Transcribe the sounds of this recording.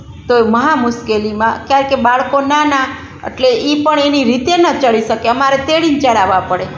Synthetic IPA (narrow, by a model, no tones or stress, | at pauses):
t̪oməɦamʊʃkelimãkjaɾkebaɭkonana | ḛʈleʔipəɳeniɾit̪enət͡ʃəɭiʃəkeəmaɾet̪eɽint͡ʃəɽaʋãpəɽe